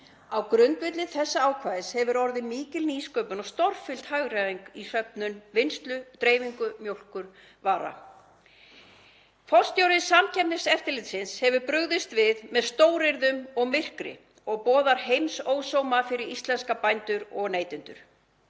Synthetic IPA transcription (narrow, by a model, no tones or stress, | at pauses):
awkɾʏnt̪vɪt̪lɪθɛsːaaːwkʰvaːðɪshɛvʏɾɔɾðɪmiːcɪlniːskœːpʏnɔɣst̪ɔr̥fɪl̥t̪haɣɾaðiŋkisœpnʏnvɪnst̪lʏt̪ɾeːjviŋkʏmjowl̥kʏɾ | vaːɾa̰ | fɔlst̪joːwɾɪsamcʰɛpnɪsɛft̪ɪɾlɪt̪sɪnshɛvʏɾpɾʏɣðɪst̪vɪðmɛðst̪oːwɾɪɾðʏmɔɣmɪr̥kɾɪ̰ | ɔɣpɔːðaɾhejmsoːwsoːwmafɪɾɪɾist̪lɛnskapajnt̪ʏɾɔɣneːjt̪ʏnt̪ʏ̰ɾ̥